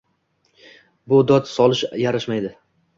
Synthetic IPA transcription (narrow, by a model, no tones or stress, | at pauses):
bʊd̪ɒt̪sɒlˠɪʃjaɾaʃmajd̪ɪ